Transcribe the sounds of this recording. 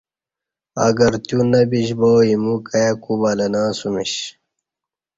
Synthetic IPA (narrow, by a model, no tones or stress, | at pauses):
ɐ̰ɡɐɾt̪junɐbiɕboːimukɐjɐkubalɐnãːsumiɕ